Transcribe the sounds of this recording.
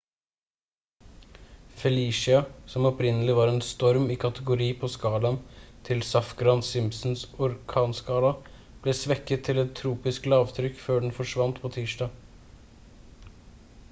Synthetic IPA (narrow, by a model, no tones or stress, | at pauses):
fɛliːʂɪɑsɔmɔpɾɪnəlɪʋɑːɾɛnst̪ɔɾmiːkʰɑt̪əɡʊɾiːpʰoskɑːlɑnt̪ʰɪlsɑfɡɾɑnsɪmsn̩sʊɾkʰɑːnskɑːlɑ | b̥lɛsʋɛkːət̪ʰːɪlɛt̪ʰːɾuːpɪsklɑːʋt̪ʰɾʏkːføːɖɛn̩fɔʂʋɑnt̪pʰoːt̪ʰiːʂɖɑː